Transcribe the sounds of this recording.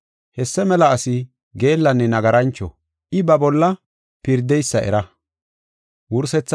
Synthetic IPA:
hɛsːɛmɛlɐːsɪ | ɡe̞ːlːɐnːɛnɐɡɐɾɐnt͡ʃːɔ̰ | ʔɪbɐbɔlːɐ | pɪɾd̪ɛjsːɐɛ̰ɾɐ | wʊɾsɛt͡sː

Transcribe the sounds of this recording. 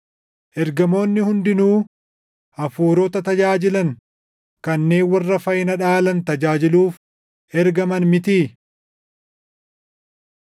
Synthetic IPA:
ʔɛɾɡɐmo̞ːnːɪhʊnd̪ɪnuː | ʔɐfuːɾoːt̪ɐt̪ɐd͡ʒaːd͡ʒɪlɐn | kɐnːe̞ːnwɐrːɐfɐjɪnɐᶑaːlɐnt̪ɐd͡ʒaːd͡ʒɪluːf | ʔɛɾɡɐmɐnmɪt̪iː

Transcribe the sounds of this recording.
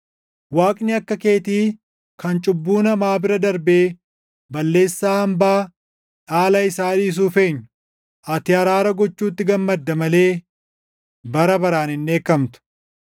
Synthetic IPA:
waːkʼnɪɐkːɐke̞ːt̪iː | kɐnt͡ʃʼʊbːuːnɐmaːbɪɾɐd̪ɐɾbeː | bɐlːe̞ːsːaːɐmbaː | ᶑaːlɐɪsaːᶑiːs̬uːfe̞ːɲːʊ | ʔɐt̪ɪɐɾaːɾɐɡɔt͡ʃːuːt̪ːɪɡɐmːɐd̪ːɐmɐleː | bɐɾɐbɐɾaːnɪnːe̞ːkːɐmt̪ʊ̥

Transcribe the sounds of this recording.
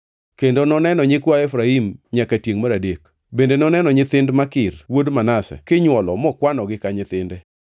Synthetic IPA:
kendonɔnɛnɔɲɪkwaɛfɾaimɲakatjeŋmaɾadek | bendenɔnɛnɔɲɪt̪ɪndmakɪrwodmanasɛ̰kɪɲwɔlɔmɔkwanɔɡɪkaɲɪt̪ɪndɛ

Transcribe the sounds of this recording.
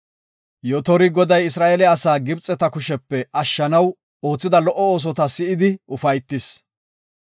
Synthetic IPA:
jɔt̪ɔɾɪɡɔd̪ɐjɪsɾaːʔelɛɐsaːɡɪbt͡sʼːɛt̪ɐkʊʃɛpːɛʔɐʃːɐnɐw | o̞ːt͡sːɪd̪ɐlɔʔːɔoːs̬ɔt̪ɐsɪʔɪd̪ɪʊfɐjt̪ːɪs

